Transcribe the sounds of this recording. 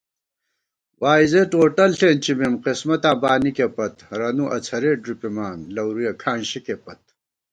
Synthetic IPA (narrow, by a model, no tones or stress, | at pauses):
waːizeʈoːʈɐlɬʰeːnt͡ɕimemqismɐt̪ãːbaːnikepɐt̪ɾɐnuʔɐt͡sʰɐɾeːɖɾipimaːnlɐwɾujɐkʰaːnɕikepɐt̪̚